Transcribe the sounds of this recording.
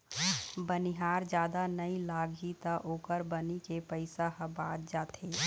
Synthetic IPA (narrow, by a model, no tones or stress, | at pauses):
bəniɦaːɾd͡ʒaːd̪anəilaɡʱit̪əʔoːkəɾbənikepəɪsaɦəbat̪̚d͡ʒaːt̪e